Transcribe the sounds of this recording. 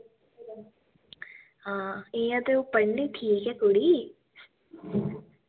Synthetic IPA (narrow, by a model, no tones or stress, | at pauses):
ɦãːeːãt̪eupəɳːiʈʰiːkɦɛkʊɽi